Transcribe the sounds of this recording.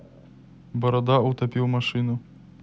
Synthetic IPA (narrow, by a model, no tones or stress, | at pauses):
bɔɾɔd̪aʊt̪ɐpʲiwmɐʃɪnʊ